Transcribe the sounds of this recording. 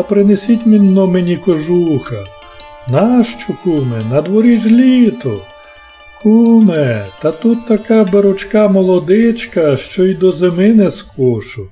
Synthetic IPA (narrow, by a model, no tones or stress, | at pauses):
ɐpɾɪnesʲitʲmʲinːɔmenʲikɔʒuxɐ | naʃt͡ʃɔkumɛnɐd̪ʋɔɾʲiʒlʲit̪ɔ | kʰumɛt̪ɐt̪ut̪ːɐkɑbeɾʊt͡ʃkɑmɔlˠɔd̪ɪt͡ʃkɐʃt͡ʃɔid̪ɔzemɪnɛskʰɔʃʊ